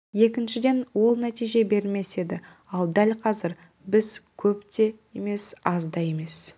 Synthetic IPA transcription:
je̞kʲɪnʃɪd̪e̞nwo̞lˠnæt̪ijʒe̞be̞ɾɪlme̞se̞d̪ɪ | ɑlˠd̪ælʲqʰɑzɪɾ | bɪzkʲʰɵpt̪e̞jeme̞sɑzd̪ɑje̞me̞s

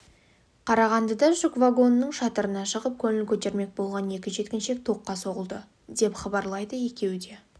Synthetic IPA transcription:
qʰɑɾɑʁɑnd̪əd̪ɑʒʊkvaɡo̞nːəɴʃɑt̪əɾənɑʃəʁəp̚kʲʰɵnɪlkʲʰɵt̪e̞ɾme̞k̚bo̞lˠʁɑne̞kʲɪʒe̞t̪kʲɪnʃe̞k̚t̪ʰo̞qːɑso̞ʁəlˠd̪ə | d̪e̞pχɑbɑɾlˠɑjd̪əje̞kʲe̞wd̪e̞

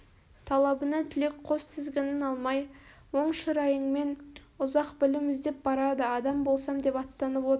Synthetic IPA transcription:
t̪ʰɑlˠɑbənɑt̪ʰʏle̞kqʰo̞st̪ʰɪzɡʲe̞nɪnɑlˠmɑj | wo̞ɴʃəɾɑjəɴme̞n | ʊzɑqbɪlɪmɪzd̪e̞p̚bɑɾɑd̪əɑd̪ɑmbo̞lˠsɑmd̪e̞pɑt̪ːɑnəpwo̞t̪əɾ

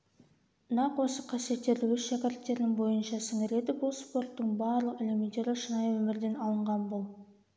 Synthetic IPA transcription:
nɑqwo̞səqʰɑsije̞t̪ːe̞ɾd̪ɪwɵsʃækʲɪɾt̪ːe̞ɾd̪ɪŋbo̞jənʃɑsɪŋɪɾe̞d̪ɪbʊlˠspo̞rt̪ːəɴbɑɾlˠəqɪlemint̪e̞ɾɪʃənɑjwɵmɪɾd̪e̞nɑlˠəɴʁɑnbʊlˠ

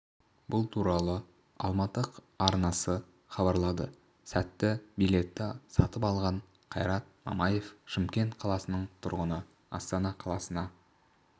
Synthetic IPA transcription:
bʊlˠt̪ʰuɾɑlˠə | ɑ̰lˠmɑt̪əq | ɑɾnɑsə | χɑbɑɾlˠɑd̪ə | sæt̪ːɪbijle̞t̪ːɪsɑ̰t̪əpɑlˠʁɑɴ | qʰɑjɾɑt̪̚mɑ̰mɑje̞fʃɪmkʲe̞nt̪qʰɑlˠɑsənəɴt̪ʰʊɾʁənə | ɑ̰st̪ɑnɑqʰɑlˠɑsənɑ

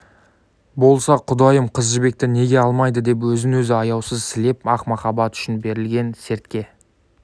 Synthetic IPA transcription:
bo̞lˠsɑqʰʊd̪ɑjəmqʰəzʒɪbe̞k̚t̪ɪne̞ɡʲe̞ɑlˠmɑjd̪əd̪e̞p̬wɵzɪnwɵzɪɑjɑwsəzsɪle̞pɑqmɑχɑbɑt̪ʏ̥ʃɪnbe̞ɾɪlɡʲe̞nse̞ɾt̪kʲe̞

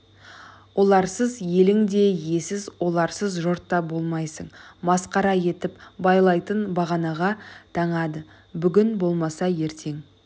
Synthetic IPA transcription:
wʔo̞lˠɑɾsəzje̞lɪŋd̪e̞je̞sɪzwo̞lˠɑɾsəzʒo̞ɾt̪ːɑbo̞lˠmɑjsəɴmɑsqɑɾɑje̞t̪ɪpbɑjlˠɑjt̪ənbɑʁɑnɑʁɑt̪ʰɑɴɑd̪ə | bʏɡʲɪnbo̞lˠmɑsɑje̞ɾt̪ʰe̞ŋ

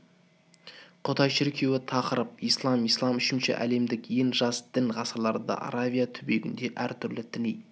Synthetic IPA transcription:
qʰot̪ɑjʃɪɾkʲʰe̞wɪt̪ʰɑqəɾəp̚ijslˠɑmijslˠɑmʏʃɪnʃɪ̰ʔæ̰le̞md̪ɪkje̞ŋʒɑsd̪̥ɪnʁɑsɑlˠɑɾd̪ɑ̰ʔɑ̰ɾavijat̪ʰʏbe̞ɡʲɪ̰nd̪e̞ʔæɾt̪ʰʏɾlɪt̪ʰɪnej

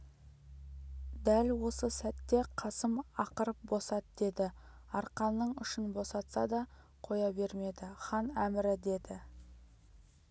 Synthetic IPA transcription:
d̪ælwo̞səsæt̪ːe̞qʰɑsəmɑqəɾəp̚bo̞sɑt̪d̪e̞d̪ɪɑɾqɑnːəɴʏʃɪnbo̞sɑt̪sɑd̪ɑ | qʰo̞jɑbe̞ɾme̞d̪ɪχɑnæmɪɾɪd̪e̞d̪ɪ

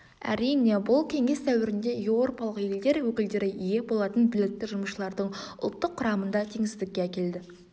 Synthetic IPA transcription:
æ̰ɾijne̞bʊlˠkʲʰe̞ŋe̞st̪ʰæwɪɾɪnd̪e̞jewɾo̞pɑlˠəqje̞ld̪e̞ɾwɵkʲɪld̪e̞ɾɪʔije̞bo̞lˠɑt̪ənbɪlɪk̚t̪ːɪʒʊməʃəlˠɑɾd̪əɴʊ̰lˠt̪ːəqʰːʊɾɑmənd̪ɑt̪ʰe̞ŋɪsɪd̪ɪkʲːe̞ækʲe̞ld̪ɪ

